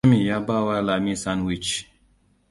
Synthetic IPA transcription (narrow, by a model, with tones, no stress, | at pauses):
mĩ˨ja˦ba˦wa˦la˨mĩ˦sa˦nwi˦˨t͡ʃ